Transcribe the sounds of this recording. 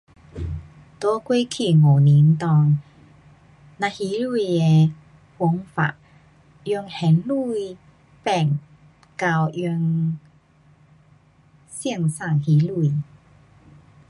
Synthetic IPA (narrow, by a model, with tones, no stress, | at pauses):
t̪ɔ˦kwi˦kʰi˧˩ŋo˨˩ni˨˦nt̪ɔ˧ŋ | nã˧hi˨˦lu˥˧˩je˧ | hu˧˦ŋfa̰˨˩ʔ | jy˧ŋhɛ˨˦nlu˥˧j | pɛ˧˩ŋ | ka˧wjy˧ŋ | sji˥˧˨ŋsa˥˧˩ŋhi˨˦lu˧˨